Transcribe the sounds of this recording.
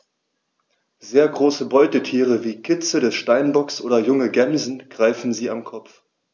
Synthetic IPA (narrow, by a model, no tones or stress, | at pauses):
zeːɐɡʁoːsəbɔʏtətʰiːʁ̞əviːkʰɪt͡sədɛsʃtaɪnbɔksʔo̰ːdɐjʊŋəɡɛmzn̩ɡ̥ʁaɪfn̩ziːamkʰɔp͡f